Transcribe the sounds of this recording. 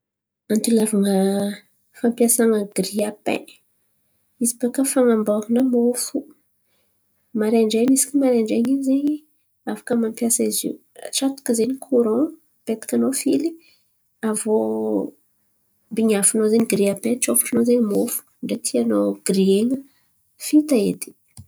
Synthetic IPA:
ant̪ulavaŋə | fampjasaŋəɡ̥ɾiapḛ̃ | izipakəfaŋamboɦunəmofu | maɾeɳɖ͡ʐeɲisi̥kʲimaɾeɳɖ͡ʐeɲiɲzeɲi | afḁkəmampjasaizḭu | ʈ͡ʂat̪u̥kizeɲikʰuɾõ | pet̪ḁkʲanofili | avo | mbiɲafinozeɲiɡɾiapẽt͡ʃofu̥ʈ͡ʂunozeɲimofu̥ɳɖ͡ʐet̪ʰianoɡ̥rieŋə | fit̪aḛt̪i̥

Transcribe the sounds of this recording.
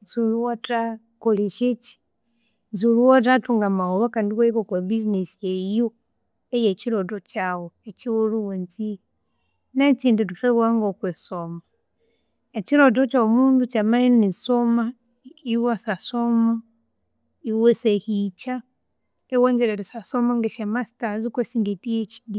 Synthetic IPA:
suluwota | koliʃit͡ʃi̥ | zuluwot̬atuŋɡamaoβakandiweikokwebizinesijejo | ejet͡ʃiɾotot͡ʃawoet͡ʃiwuluwunt͡si | nat͡siːndutufeɣwaŋɡokwesoma | et͡ʃiɾodot͡ʃawomuːndut͡ʃamainisoma | iwasasoma | iwesehit͡ʃa | ewonzeɾeɾisasomaŋɡeʃamasi̥tazikwesiŋɡitijet͡ʃi̥di

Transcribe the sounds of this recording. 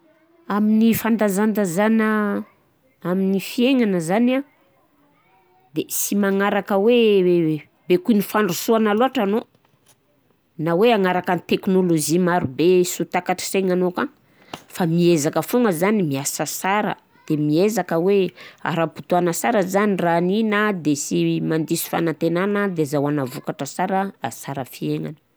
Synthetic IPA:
aminifand̪azand̪azanə | aminifieŋanəzana | d̪esimaŋaɾakəwe | bekuinifaɳɖ͡ʐusuanaluaʈ͡ʂano | naweaŋaɾakanit̪eknolozimaɾubesut̪akaʈ͡ʂi̥seŋanoka | famiezakəfuŋɡəzanimiasəsaɾə̰ | d̪̥emiezakəwea̰ɾapu̥t̪uanəsaɾəzaniraːninəd̪esimand̪isu̥fa̰nant̪enanəd̪ezawanavukaʈ͡ʂəsaɾəːsaɾəfieŋa̰nə̥

